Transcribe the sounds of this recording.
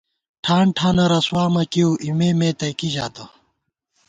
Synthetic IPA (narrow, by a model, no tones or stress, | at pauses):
ʈʰaːɳʈʰaːnɐɾɐswaːmɐkioːʔimemẽːt̪ɐjkiʑaːt̪ɐ